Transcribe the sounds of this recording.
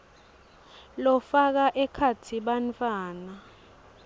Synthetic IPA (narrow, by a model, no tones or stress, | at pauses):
lɔfak̬aʔɛkʰatʰiɓant͡fʼwaːna